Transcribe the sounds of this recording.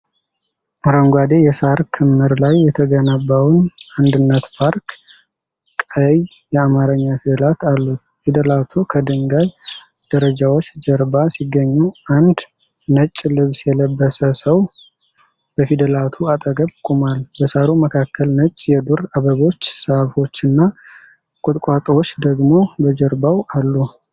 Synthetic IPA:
ʔaɾəŋɡʷad̪e̞jɛsaɾkʰɨmːɨɾlajːɛt̪ʰəɡənabːawnand̪ɨnːət̪pʰaɾk | kʼəj | jɛamaɾəɲːafid̪əlat̪ʰalːu | fid̪əlat̪ʰukʰəd̪ɨŋɡaβd̪̥əɾəd͡ʒawot͡ʃːd͡ʒəɾbasiɡːəɲːuʔand̪ | nət͡ʃʼːlɨβsjɛləbːəsəsəw | b̥əfid̪əlat̪ʰuat̪ʼəɡəβkʼumalbəsaɾuməkʰakːəlnət͡ʃʼːjɛd̪uɾaβəβo̞t͡ʃːsəfo̞t͡ʃːɨnːa | kʼʊt̪ʼkʷʼat̪ʼwot͡ʃːd̪əɡmo̞bəd͡ʒəɾbawalːu

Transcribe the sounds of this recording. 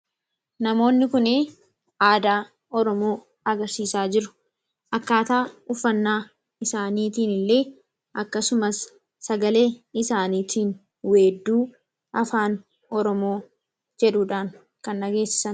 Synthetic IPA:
nɐmo̞ːnːɪkʊne | aːd̪aː | ʔɔɾɔmo̞ː | ɐɡɐɾsiːsaːd͡ʒɪɾʊ̥ | ʔɐkːaːt̪aːʊfːɐnːaː | ɪsaːniːt̪iːnɪlːe̞ː | ʔɐkːɐsʊmɐsː | ɐɡɐle̞ːɪsaːniːt̪ʰiːn | weːd̪ːuː | ʔɐfaːn | ɔɾɔmo̞ː | d͡ʒɛᶑʊᶑaːŋ | kɐnʔɐɡe̞ːsːɪ̥sɐn

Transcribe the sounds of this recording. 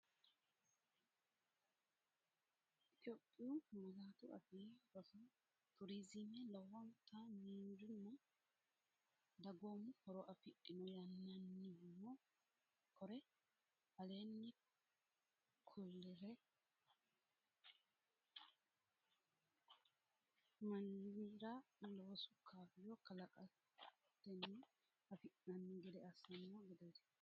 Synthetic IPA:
ʔɪt̪ʼɪjoːpʼːɪjuːnkuzaːt̪ʊʔɐ̰fiːbɐsɐ | t̪ʊɾiːzɪmɛlɐwːɐnt̪ʰaniːɾɪnːʊ | d̪ɐɡoːmːʊhɔɾɔʔɐfɪʔɪnɔjɐnːɐnːɪmɔ | kʰɔɾɛ | ɐleːnːɪ | kʰʊlːɛɾɛ | mɐniɾaloːsʊkʰaːfɪjɔkɐlɐkʼɐ | t̪ːɛnːi | ɐfɪʔnɐnːɪɡɛd̪ɛɐsɐnːɔɡɛd̪ɛd̪ɛ̥

